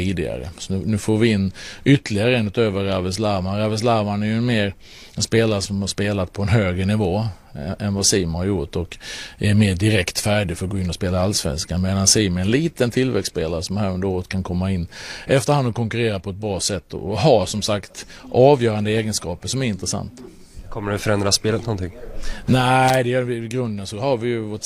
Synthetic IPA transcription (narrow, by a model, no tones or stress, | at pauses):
iːd̪ɪɡa̰ɾə̰sɔnʉːnʉ̟ːfoːɾvɪɪnːʔʏt̪ːəlɪɡaɾəɛnʉt̪øːvəɾavɛs̬laɾmanɾavɛs̬laɾmanæɾjɵɛnmeːɾ | ɛnspeːlaɾəsɔmhaʂpeːlat̪̚pʰɔɛnɦøːɡɾənɪvoː | ɛnvasiːmhaɾjʊʈːɔkæɾmeːɖɪɾɛkt̪fæːɖɪɡfœəɾɔɡoːɪnːɔspeːlaalsvɛ̰nskanmeːd̪ansiːmæɾɛnliːt̪ənt̪ʰɪlvɛkspeːlaɾəsɔmhæːɾɵnd̪əɾoːɾət̪̚kʰankʰɔmːaɪnːɛft̪əɾhand̪ɔkʰɔŋkɵɾeːɾapʰɔɛt̪̚bɾɑːsɛt̪ːɔ̰ɦasɔmsakt̪ | ʔɑːvjœːɾand̪əeːɡənskɑːpəʂɔmæɾɪnt̪ɾɛsa̰nt̪ | kʰɔmːəɖɛfœɾɛnd̪ɾaspeːlət̪nɔnt̪ɪŋːnæɪd̪ɛjœːɾvɪɡɾɵnd̪ənsɔhaɾvɪjɵvoːʈ